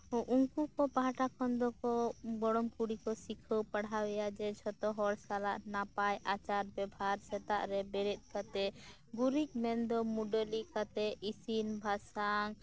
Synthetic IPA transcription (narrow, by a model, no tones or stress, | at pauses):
ʔuŋkukɔpaɦaʈakʰɔnd̪ɔkɔbɔɽɔmkuɽikɔsikʰəwpaɽawɛjad͡ʒɛt͡ʃʰɔt̪ɔɦɔɾsalaʔnapajʔat͡ʃaɾbɛbʱaɾsɛt̪a̰ʔɾɛbɛɽɛt̪̚ˀkat̪ɛ | ɡuɾik̚mɛnd̪ɔmuɖəlikat̪ɛisinbʱasaŋ